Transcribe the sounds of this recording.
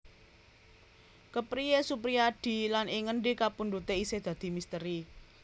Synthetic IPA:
kəpɾijesupɾiaɖ̥i̤lanʔeŋənɖekapunɖut̪eised̪̥ä̤d̪̥i̤mist̪əɾi

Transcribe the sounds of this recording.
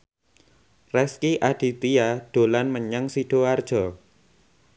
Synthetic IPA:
rɛskiʔad̥i̤t̪iaɖ̥olanməɲəŋsiɖ̥oard̥ʒ̥ɔ

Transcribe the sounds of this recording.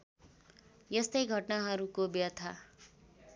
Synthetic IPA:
jʌst̪ʌjɡʱʌʈnaɦʌɾukobjʌt̪ʰa

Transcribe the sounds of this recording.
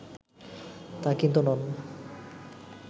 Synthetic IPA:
t̪akint̪unɔn

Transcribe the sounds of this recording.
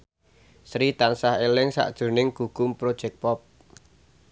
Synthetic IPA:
sɾit̪ansaɦelɪŋsa̰ʔd̥ʒ̥ṳnɪŋɡ̥ṳɡ̥ʊmpɾod̥ʒ̥ɛk̚pɔp̚

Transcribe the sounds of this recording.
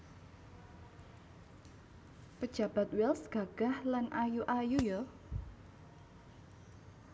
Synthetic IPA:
pəd̥ʒ̥a̤b̥a̤t̪wɛlsɡ̥a̤ɡ̥a̤hlanʔajuʔajujo

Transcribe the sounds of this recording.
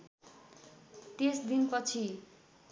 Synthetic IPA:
t̪esd̪inpʌt͡sʰi

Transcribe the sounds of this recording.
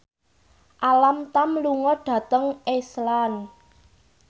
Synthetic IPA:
ʔalamt̪amluŋɔɖ̥ä̤t̪əŋeslan

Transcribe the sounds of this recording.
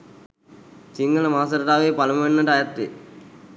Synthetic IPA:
t͡ɕiŋɡɐlɐmaːs̬ɐɾɐʈaːʋeːpɐlɐmɐʋenːɐʈɐjɐt̪ːḛ

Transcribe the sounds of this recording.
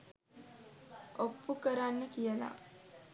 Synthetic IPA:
ʔopːukəɾanːəkijəla̰

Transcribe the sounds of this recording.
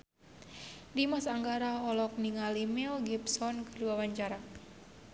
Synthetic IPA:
dimasaŋɡaɾaɦɔlɔk̚niŋalimɛlɡipsɔnkəduapaɲd͡ʒaɾa

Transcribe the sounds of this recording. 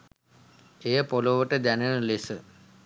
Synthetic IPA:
ejəpoloʋəʈəd̪ænəlesə

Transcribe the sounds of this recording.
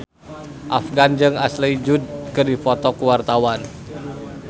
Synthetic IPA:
ʔafɡand͡ʒɨŋaslid͡ʒud̚kɨrdifɔt̪ɔkuwart̪awan

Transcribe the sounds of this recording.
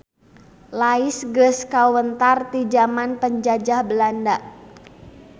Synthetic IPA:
laɪsɡəskawənt̪art̪id͡ʒamanpəɲd͡ʒad͡ʒahbəlandaʔ

